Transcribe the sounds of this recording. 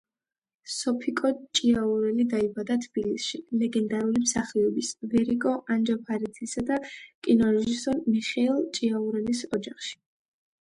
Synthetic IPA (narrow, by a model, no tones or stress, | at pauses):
sɔpʰikʼɔt͡ʃʼiauɾɛlid̪aibad̪at̪ʰb̥ilisʃilɛɡɛnd̪aɾulimsaχiɔbisvɛɾikʼɔʔand͡ʒapʰaɾit̪ʰisad̪akʼinɔɾɛʒisɔɾmiχɛɛlˠt͡ʃʼiauɾɛlisɔd͡ʒaχʃi̥